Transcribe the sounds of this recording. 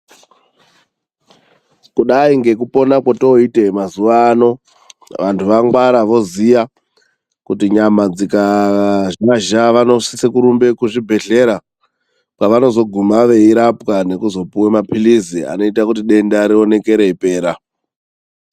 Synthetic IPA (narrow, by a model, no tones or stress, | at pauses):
kuɗaiŋɡe̞kupo̞nakotoite̞mazuʋaːno̞ | ʋantʰuʋaŋɡwaɾaʋo̞zija | kutiɲamad͡zikaʒaʒaʋano̞sisekuɾumbe̞kuʐibʱe̞ɮe̞ɾa | kwaʋano̞zo̞ɡʱumaʋe̞iɾapkane̞kuzo̞puwemapilizia̰no̞itakutiɗe̞ndaɾio̞ne̞ke̞ɾe̞ipe̞ːɾa